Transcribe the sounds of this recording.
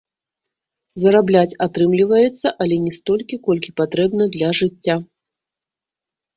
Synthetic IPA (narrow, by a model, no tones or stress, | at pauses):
zɐɾablʲat͡sʲat̪ɾɨmlʲivɐjɛt̪sːɐʔɐlʲɛnʲɛst̪ɔlʲkʲikɔlʲkʲipat̪ɾɛbnɐd̪lʲɐʐɨt͡sʲːa